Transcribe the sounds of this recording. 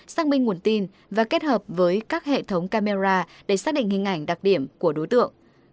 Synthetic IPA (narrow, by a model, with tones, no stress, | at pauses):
saː˧˥k̚mï˧ŋ̟ŋu˨˧˩ənt̪i˧n | vaː˨˩ke˦˥t̚həː˨˩p̚vəː˨˦jkaː˦˥k̚hḛ˧˨t̪ʰə˨˦wŋ͡mkaː˧me˧zaː˧ | ɗe˧˩saː˦˥ɗḭ˧˨ŋhï˨˩ŋ̟ʔa˧˩jŋ̟ɗa˨˩k̚ɗi˧˩əmku˧˩əɗo˨˦jt̪ɨ̰˧˨əŋ